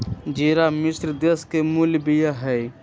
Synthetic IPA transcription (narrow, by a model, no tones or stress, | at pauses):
d͡ʒiːɾamɪsɾd̪eskemuljbijaɦɛː